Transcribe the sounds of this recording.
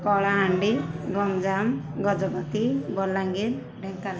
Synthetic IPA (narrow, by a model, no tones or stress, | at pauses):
kɔɭaɦaɳɖiɡɔmd͡ʒam | ɡɔd͡ʒɔɡɔt̪ibɔlːaŋɡin | ɖɛŋkal